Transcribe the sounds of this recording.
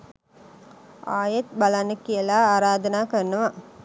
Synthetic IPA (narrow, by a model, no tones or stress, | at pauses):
aːjet̪̚balanːəkijəlaːaːɾaːd̪ənaːkərnəʋa